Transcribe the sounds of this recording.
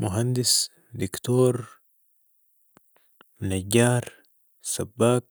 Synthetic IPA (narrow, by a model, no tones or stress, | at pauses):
muɦand̪is | d̪ikt̪oːɾ | mnaɟːaːɾ | sabːaːk̚